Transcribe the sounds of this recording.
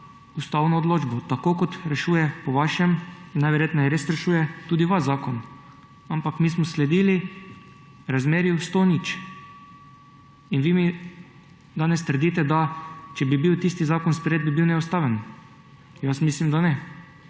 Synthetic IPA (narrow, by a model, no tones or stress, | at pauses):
ust̪aːwnɔːd̪loːd͡ʒbɔt̪akoːkɔt̪ɾɛʃuːjɛpɔʋaʃɛminnajʋɛɾjeːt̪nɔjɛɾesɾɛʃuːjɛt̪uːd̪iʋaʃzaːkɔn | ampakmiːsmɔslɛd̪ili | ɾazmeːɾjiwst̪oːnit͡ʃ | inʋiːmi | d̪aːnɛst̪əɾ̩d̪iːt̪ɛd̪at͡ʃɛbibiwt̪ist̪izaːkɔnspɾjeːd̪̚bibiwnɛust̪aːʋɛn | jasmiːslimd̪anɛ